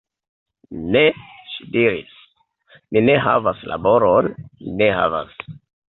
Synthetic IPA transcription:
ne̞ʃi̥diɾis | mine̞ɦa̰vasla̰bo̞ɾonine̞ha̰va̰s

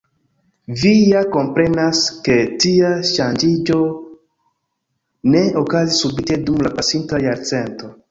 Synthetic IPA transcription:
vijako̞mpɾe̞naske̞tiaʃand͡ʒid͡ʒo̞ | ne̞okazisːubite̞dumlapasintajaɾt͡se̞nto̞

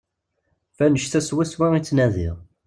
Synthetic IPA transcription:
fænəʃθæswæswait͡sːnæðɪ̰ʁ

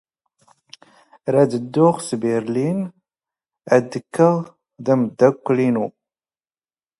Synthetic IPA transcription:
ɾæd̪əd̪ːʊʁsbiɾlin | æd̪ːəkːəʁ | ðæməd̪ːækʷːlinu

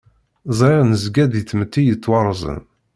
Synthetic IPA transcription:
zˤɾɪʁnəzɡæðiθːmət̪ːijət͡s̪ːwɑɾˤzə̰n

